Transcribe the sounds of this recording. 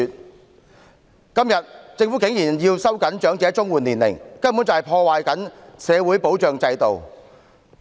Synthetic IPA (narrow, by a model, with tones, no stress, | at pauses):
t̚ | kɐ˥mjɐ˨t̚t͡sɪ˧ŋfuː˨˥kɪ˨˥ŋjiː˨˩njiː˧wsɐ˥wkɐ˨˥nt͡ʃœː˨˥ŋt͡sɛː˨˧t͡sʊ˥ŋwuː˨nliː˨˩nlɪ̰˨˩ŋkɐ˥mpu˨˥nt͡sɐ˨whjpʰɔː˧waː˨jkɐ˨˥nsɛː˨˧wuː˨˥jpo˨˥wt͡ʃœː˨ŋt͡sɐ˧jt̪o˨w